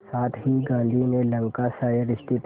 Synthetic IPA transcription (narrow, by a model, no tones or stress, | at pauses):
saːt̪ʰɦiɡãːnd̪ʱinelɐ̃ŋkasaːjəɾɪst̪ɪt̪